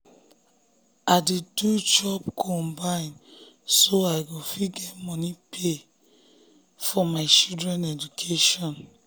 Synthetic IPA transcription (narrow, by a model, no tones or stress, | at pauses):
aditud͡ʒɔpkʰɔ̃mbaɪ̃n | soaɪɡofiɡɛtmɔnipʰe | fɔmaɪt͡ʃildɾɛ̃nɛd͡ʒukʰeʃɔ̃n